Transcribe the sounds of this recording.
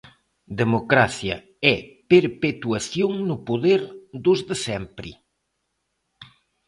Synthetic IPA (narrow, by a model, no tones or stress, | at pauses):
d̪emokɾaθjɐ | ɛpeɾpet̪waθjoŋnʊpoðeɾd̪ʊzðesɛmpɾḭ